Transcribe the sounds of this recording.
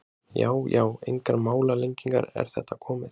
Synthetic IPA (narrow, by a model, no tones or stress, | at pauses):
jaːwjaːwejŋkaɾmaːwlalejɲciŋka̰ɾɛ̰ɾ̥θɛht̪ːakʰɔːmɪ